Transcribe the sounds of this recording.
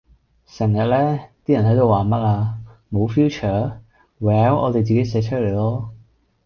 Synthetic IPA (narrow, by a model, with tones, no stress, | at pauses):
sɛ˨˩ŋjɐ˨t̚lɛː˥t̪iː˥jɐ˨˩nɦɐ˨˥jt̪o˧waː˨˩mɐ˥t̚aː˧mo˨˧wfjuː˥t͡ʃʰœː˨˥ | wɛː˨˥wʔɔ̰ː˨˧t̪e˨jt͡siː˨ke˨˥jsɛː˨˧t͡ʃʰɵ˥le˨˩jlɔː˥